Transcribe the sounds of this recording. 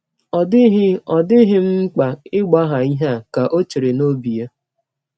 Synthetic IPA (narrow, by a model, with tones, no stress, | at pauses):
ɔ˨dɪ˦ɦɪ˦ɔ˨dɪ˦ɦɪ˦ŋ͡m̩˦k͡pa˨ɪ˦ɡ͡ba˦ɦa˨i˦ɦa˦˨ka˨ʔo˦t͡ʃe˨ɾe˨no˦bi˨ja˦